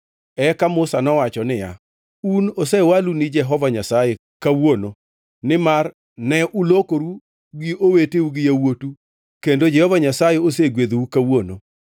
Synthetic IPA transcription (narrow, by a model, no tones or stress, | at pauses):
ɛkamʊsanɔwat͡ʃɔnɪja̰ | unosɛwalunɪd͡ʒɛɦɔvaɲasaje | kawono | nɪmar | nɛʔulokoɾu | ɡioweteuɡɪjawotu | kendod͡ʒɛhɔvaɲasajeoseɡwed̪ukawono̰